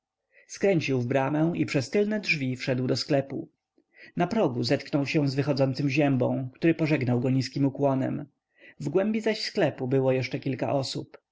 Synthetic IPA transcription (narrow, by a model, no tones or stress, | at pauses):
skɾɛɲt͡ɕiwvbɾamɛw̃ipʂɛst̪ɘlnɛdʐvʲifʂɛd̪wd̪ɔsklɛpṵ | napɾɔɡuzɛt̪knɔwɕɛ̃w̃zvɘxɔd̪zɔnt̪sɘmʑɛmbɔ̰̃w̃kt̪uɾɘpɔʐɛɡnawɡɔɲiskʲimukwɔnɛ̰m | vɡwɛmbʲizaɕsklɛpubɘwɔjɛʂt͡ʂɛkʲilka̰ʔɔsup